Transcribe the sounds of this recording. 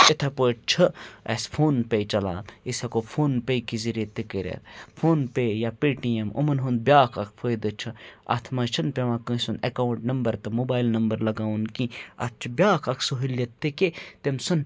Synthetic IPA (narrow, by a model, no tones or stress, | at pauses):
et̪ʰɐpoʈt͡ʃʰɐɐ̰spʰoːnpejt͡ʃɐla̰ːisɐkopʰoːnpejkiziɾet̪ikɐɾḛɾpʰoːnpejapiʈijemo̰mɐnɦũnd̪̚bjaːkʰɐk̚ʰpʰojd̪ɐt͡ʃʰɐa̰t̪ʰmɐːt͡ʃʰɐnpeʋãːkə̃sunɐkaːwuɳʈnɐmbɐɾt̪ɐmobaːilnɐmbɐɾlɐɡaːunkĩɐ̰t͡ʃʰbʲjaːkʰɐksuɦiljet̪ːeket̪emsɐn